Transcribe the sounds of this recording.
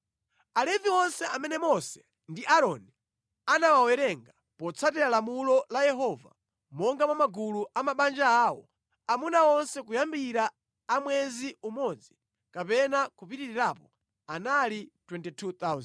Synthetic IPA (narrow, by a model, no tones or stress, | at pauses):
alɛviwɔnsɛamɛnɛmɔsɛ̥ | ndiʔaɾɔni | anawawɛɾɛŋɡa | pɔt͡sʰatɛɾalamulɔlajɛɦɔva̰ | mɔŋɡamamaɡuluʔamaɓand͡ʒaːwɔ̰ | amunaɔnsɛkujambiɾaː | mwɛziumɔd͡zi | kapɛnakupitiɾiɾapɔ | analitwɛntitʰut̪az